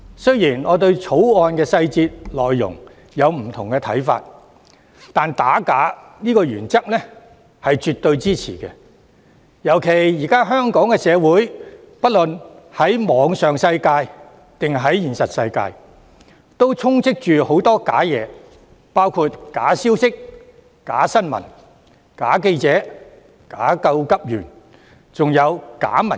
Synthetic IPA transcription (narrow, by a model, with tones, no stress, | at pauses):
sɵ˥ɥjiː˨˩nɔː˨˧t̪ɵ˧ɥt͡sʰo˨˥wɔː˧nkɛː˧sɐ˧jt͡siː˧t̚lɔː˨jːʊ̰˨˩ŋ | jɐ˨˧wm̩˨˩t̪ʰʊ˨˩ŋkɛ˧t̪ʰɐ̰˨˥jfa̰ː˧t̚ | t̪aː˨nt̪aː˨˥kaː˨˥ | niː˥kɔː˧jyː˨˩nt͡sɐ˥k̚nɛ˥ | hɐ˨jt͡ʃyː˨t̪ɵ˧ɥt͡siː˥t͡sʰḭː˨˩kɛ˧ | jɐ˨˩wkʰe˨˩jjiː˨˩kaː˥ɦœː˥ŋkɔː˨˥ŋkɛː˧sɛː˨˧wuː˨˥j | pɐ˥t̚lɵ˨nhɐ˨˥jmɔː˨˧ŋsœː˨ŋsɐ˧jkaː˧j | t̪ɪ˨ŋɦɐ˨˥jjiː˨˩nsɐ˨t̚sɐ̰˧jka̰ː˧j | t̪o˥wt͡sʰʊ˥ŋt͡sɪ˥k̚t͡ʃyː˨ho˨˥wt̪ɔː˥kaː˨˥jɛː˨˧ | paː˥wkʰuː˧t̚kaː˨˥siː˥wsɪ˥k̚ | kaː˨˥sɐ˥nmɐ̰˨˩n | kaː˨˥ke˧jt͡sɛː˨˥ | kaː˨˥kɐ˧wkɐ˥p̚jy̰ː˨˩n | t͡sʊ˨ŋjɐ˨˧wka̰ː˨˥mɐ˨˩